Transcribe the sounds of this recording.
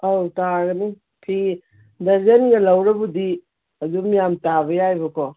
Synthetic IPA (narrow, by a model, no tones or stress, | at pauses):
awtaɡɐni | pʰi | dɐzɐnɡɐlɐwɾɐbudi | ɐzumijamtaβɐjajbɐkʰɔ